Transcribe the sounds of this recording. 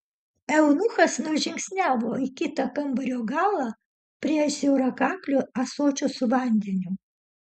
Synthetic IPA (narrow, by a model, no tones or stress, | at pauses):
ɛʊnuxɐsnʊʒʲɪŋʲksʲnʲæːʋoːikʲɪt̪ɐkɐmbɐɾʲoːɡɑːlˠɑː | pʲɾʲiɛʃʲɛʊɾɐkɑŋklʲʊɐsoːt͡ʃʲʊsʊʋɐˑnʲd̪ʲɛnʲʊ